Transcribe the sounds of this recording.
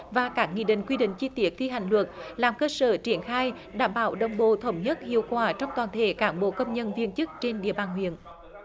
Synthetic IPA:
vaː˨˩kaː˦˥k̚ŋḭ˧˨ɗḭ˧˨ŋ̟kwi˧ɗḭ˧˨ŋ̟t͡ɕi˧t̪wi˦˥ək̚t̪ʰi˧ɦa̰˧˨jŋ̟lwə˨˩t̚laː˨˩mkəː˧səː˧˩t͡ɕi˧˩ənxaː˧j | ɗaː˧˩mɓaː˧˦wɗə̰˨˧˩wŋ͡mɓo̰˧˨t̪ʰə˨˧˩wŋ͡mɲə˦˥t̚hḭ˧˨əwkwaː˧˩t͡ɕɔ˧wŋ͡mt̪waː˨˩nt̪ʰe˧˦kaː˧˦nɓo̰˧˨kə˧wŋ͡mɲə˧nvi˧ənt͡ɕɨ˦˥k̚t͡ɕe˧nɗḭ˧˨əɓaː˨˩nɦwḭ˧˨ən

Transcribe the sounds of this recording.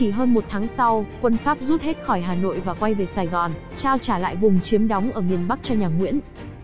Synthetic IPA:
i˧˩ɦəː˧nmo˨˩t̚t̪ʰaː˨˦ŋsa˧wkwə˧nfaː˦˥p̚zu˦˥t̚he˦˥t̚xɔ˧˩jɦaː˨˩no̰˧˨jvaː˨˩kwa˧jve˨˩saː˨˩jɣɔ˨˩n | t͡ɕaː˧wt͡ɕaː˧˩la̰ː˧˨jvʊ˨˩ŋ͡mt͡ɕi˨˦əmɗɔ˨˦wŋ͡mʔəː˧˩mi˨˩ənɓa˦˥k̚t͡ɕɔ˧ɲaː˨˩ŋwḭ˧˥ən

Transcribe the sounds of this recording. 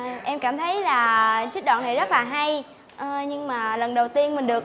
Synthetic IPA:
ʔɛ˧mkaː˧˩mt̪ʰə˨˦jlaː˨˩t͡ɕi˦˥k̚ɗwa̰ː˧˨nːa˨˩jzə˦˥laː˨˩ɦa˧j | ʔɲɨ˧ŋmaː˨˩lə˨˩nɗə˨˩wt̪i˧ənmï˨˩ŋ̟ɗɨ˨˩ək̚

